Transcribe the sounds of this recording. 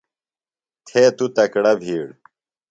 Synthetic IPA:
t̪ʰeːt̪ut̪ɐkɽɐbʱiːɽ

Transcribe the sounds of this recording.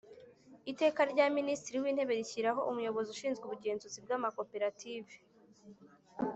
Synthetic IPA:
ite̞ːkaɾɟaːministiɾiwiːn̥e̞βe̞ɾiçiɾaɦo̞ʔumujo̞βo̞ziuʃiːnzɡuβuɡe̞ːnzuzib̚ɡaːmakope̞ɾatʰiːve

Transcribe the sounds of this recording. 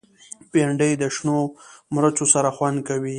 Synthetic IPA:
peɳɖəjd̪əʃnomɾat͡ʃosaɾaxwand̪̚kawi

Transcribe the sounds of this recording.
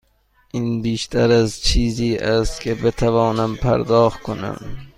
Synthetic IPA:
ʔiːnbiːʃt̪ʰæɾæzt͡ʃʰiːziːʔæst̪kʲʰebet̪ʰævɒːnæmpʰæ̰ɾd̪ɒːxt̪̚kʰonæ̰m

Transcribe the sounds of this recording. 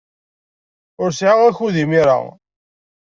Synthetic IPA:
ʊɾsʕaʁæçuðimiɾa̰

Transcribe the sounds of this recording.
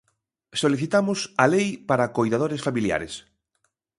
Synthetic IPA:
soliθit̪amʊsalejpaɾakojðað̞oɾesfamilja̰ɾes

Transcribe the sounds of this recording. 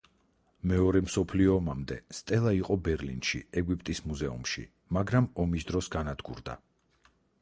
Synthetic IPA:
mɛɔɾɛmsɔpʰliɔːmamd̪ɛ̰st̪ʼɛlˠaiqʼɔbɛɾlḭnʃḭɛɡwipʼt̪ʼismuzɛṵmʃḭ | maɡɾamɔmisd̪ɾɔsɡanad̪ɡṵɾd̪a̰

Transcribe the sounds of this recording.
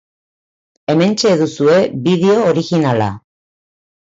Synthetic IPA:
e̞me̞nt͡ʃe̞ðusue̞βiðeo̞ːɾiɣinala̰

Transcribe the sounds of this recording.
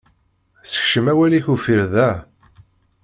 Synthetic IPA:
sə̥çʃəmæwæliçufiɾðæ

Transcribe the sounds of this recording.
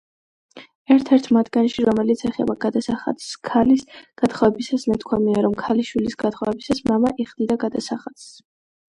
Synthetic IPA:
ɛɾt̪ʰɛɾt̪ʰmat̪ɡanʃiɾɔmɛlit̪sʰɛχɛ̰baɡ̥ad̪asaχa̰d̪skʰalisɡ̥at̪χavɛbisasnat̪ʰkʰwamiaɾɔmkʰaliʃwilisɡat̪ʰχɔvɛbisasmamaʔiχd̪id̪aɡad̪asaχad̪̥s

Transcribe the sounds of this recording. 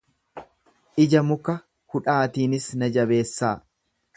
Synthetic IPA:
ʔɪd͡ʒɐmʊkːɐ | hʊᶑaːt̪iːnɪsnɐd͡ʒɐbe̞ːsːaː

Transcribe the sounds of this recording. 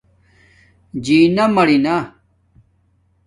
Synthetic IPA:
d͡ʑiːnɐmɐɽina

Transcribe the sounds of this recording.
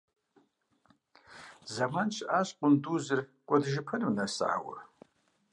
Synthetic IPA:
zamant͡ʃʰaʃʷʼqʷʼʊnduzɨrkʷʼɐdʒɪpʰɨnmnasa̰a̰wa̰r

